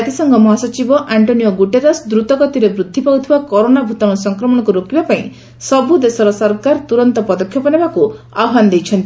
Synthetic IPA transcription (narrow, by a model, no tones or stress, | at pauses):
at̪esɔŋɡɔmɔɦasɔt͡ʃibɔʔaɳʈonijoɡuʈeɾɔsd̪ɾut̪ɔɡɔt̪iɾebɾud̪ʱːipawt̪ʰibakɔɾonabʱut̪aɽɔsɔŋkɾɔmɔɽ̃ɔkuɾokibapaĩ | sɔbud̪esɔɾɔsɔɾkaɾt̪uɾɔnt̪ɔpɔd̪ɔkʰjɔpɔnebaku | a̰wɦand̪ejt͡ʃʰʌnt̪i